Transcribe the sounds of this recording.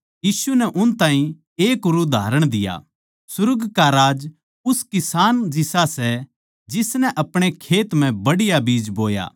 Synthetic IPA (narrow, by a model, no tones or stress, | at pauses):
jiːsunɛʔʊnt̪ãːɦĩ | eːkʊɾud̪ʱaːɾəɽ̃d̪ɪja̰ | sʊɾʊɡkaɾaːd͡ʒ | ʊskɪsaːnd͡ʒɪsasɛ | d͡ʒɪsnɛʔɐpɽ̃ekʰeːt̪m̤ɛ̃bɐɽɪjabiːd͡ʒboːja̰ː